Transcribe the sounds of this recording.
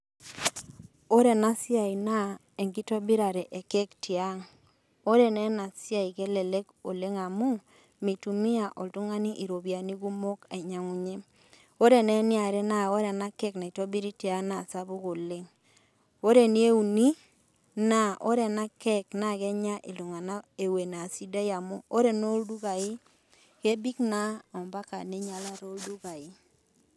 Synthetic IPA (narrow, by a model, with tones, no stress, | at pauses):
o˦ɾe˨na˦sja˨i˨na˦ | e˨ŋɡi˦to˦bi˦ɾa˨ɾɛ˨ʔe˨kɛ˦kti˨a˦ŋ | o˦ɾe˦˨nɛ˦na˨sja˦i˨ke˦le˨le˦ko˨le˦ŋa˨mu˦ | mi˨tu˨mi˦a˨ʔo˨ltu˦ŋa˦ni˦ʔi˨ɾo˨bi˨a˨ni˦ɡu˦mo˦ka˨ɲa˨ŋu˨ɲe˦ | o˦ɾe˨nɛ˦nɪ˦a˨ɾɛ˦na˦˨o˦ɾɛ˨na˦kɛ˦kna˨i˨to˦bi˦ɾi˦ti˨a˨˦na˨sa˦βu˦ɣo˨le˦ŋ | o˦ɾe˨ni˦e˦u˨ni˦ | na˨o˦ɾɛ˨na˦kɛ˦kna˨ɣɛ˦ɲa˦ʔe˨lu˨ŋa˨na˦e˨we˨na˨si˦da˦ja˨mṵ˦o˦ɾɛ˦˨no˦ldu˦ɣa˨i˦ | ke˦bi˦kna˦ɔ˨mba˦ka˨ne˦ɲa˦la˦ɾo˦ldu˦ɣa˨i˦